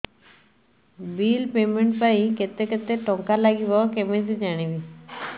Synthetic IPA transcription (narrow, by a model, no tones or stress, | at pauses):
bilpemeɳʈpaiket̪eket̪eʈɔŋkalaɡibɔkemes̬id͡ʒaɽ̃ibi